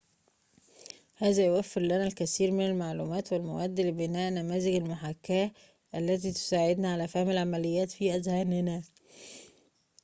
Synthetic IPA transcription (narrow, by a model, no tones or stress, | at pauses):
hæːzæjowæfːeɾlænælkæsiːɾmɪnælmaʕluːmæːt̪wɪlmæwæːd̪ːlebɪnæːʔnæmæːzɪɡælmʊħakːæː | ʔælːæt̪̬iːt̪ʊ̥saːʕed̪næʕalæfæhmælʕamælɪjːæːt̪fiːʔæzhæːnɪnæ